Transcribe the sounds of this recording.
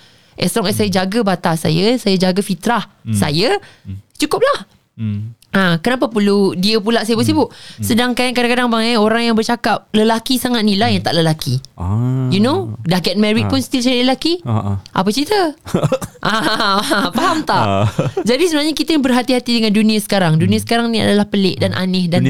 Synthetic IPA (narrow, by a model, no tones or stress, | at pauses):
ʔɛ̰st̪ɾɔŋɛsajad͡ʒaɡəbat̪asa̰jəsajad͡ʒaɡafit̪ɾahsa̰jat͡ʃukʊp̚lah | ʔãkənap̬apuludiəpulaʔsajəbəs̬ibʊʔsədaŋkaŋkadãŋkadaŋbaŋɛoɾaŋjaŋbərt͡ʃakap̚ləlakisaŋat̪̚nilahjaŋt̪a̰ʔləlaki | junodahɡɛt̪̚mɛɾit̚pʊnst̪ilt͡ʃaɾiʔləlakiʔa̰pət͡ʃit̪ə | ʔa | paɦamt̪aʔd͡ʒadisəbənaɲakit̪ajabərɦat̪iɦat̪idəŋãndunĩasə̥kaɾaŋdunĩasə̥kaɾaŋnĩa̰dalahpəlɪʔdanʔa̰nɪhdan